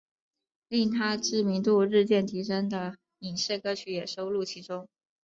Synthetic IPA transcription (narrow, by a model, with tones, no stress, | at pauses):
li˥˩ŋt̪ʰa˥ʈ͡ʂɻ̩˥˩mi˧˥ŋt̪u˥˧ɻɻ̩˥˧t͡ɕjɛ˥˩nt̪ʰi˧˥ʂə˥ŋd̪ə˨ | i˨˩ŋɕɛ˥˩ɪkɤ˥t͡ɕʰy˧˥jɛ˨˩ʂo˥ʊlu˥˩t͡ɕʰi˧˥ʈ͡ʂʊ˥ŋ